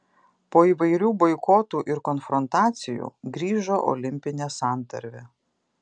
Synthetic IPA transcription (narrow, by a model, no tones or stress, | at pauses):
poːiːʋɐɪɾʲuːbɔɪkoːt̪uːʔɪɾkɔnfɾɔnt̪ɑːt̪sʲɪjṵːɡɾʲiːʒoːʔɔ̰lʲɪmʲpʲɪnʲeːsɑˑnt̪ɐɾʲʋʲe